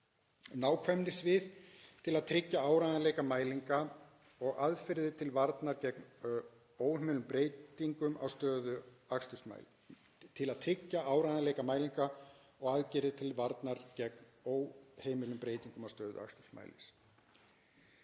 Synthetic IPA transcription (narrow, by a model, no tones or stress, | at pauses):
naːwkʰvɛmnɪsvɪðt̪ʰɪlaðt̪ʰɾɪcːaaːwɾajðaleːjkamaːjliŋka | ɔɣaðfɪɾðɪt̪ʰɪlvaɾt̪naɾcɛkn | oːwhemɪlʏmpɾeːjt̪iŋkʏma̰wst̪œːðʏakst̪ʏsma̰ | t̪ʰɪlaðt̪ʰɾɪcːaʔaːwɾajðaleːjkamaːjliŋka | ɔɣaðcɪɾɪt̪ʰɪlvaɾt̪naɾcɛk̚noːwheːjmɪlʏmpɾeːjt̪iŋkʏmawst̪œːðʏ̰a̰kst̪ʏ̥sma̰ːjlɪ̰s